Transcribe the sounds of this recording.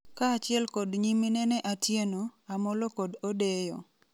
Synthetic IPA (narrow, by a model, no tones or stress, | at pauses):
kaːt͡ʃɪɛlkɔdɲiminɛnɛʔatjenoamɔlokɔdodejɔ̰